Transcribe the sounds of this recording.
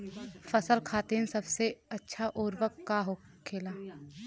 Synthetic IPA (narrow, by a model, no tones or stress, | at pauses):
fɐsəlkʰaːt̪eːnsɐbseɐtːʃʰaʔoːɾʋəkːaɦokʰeːlaː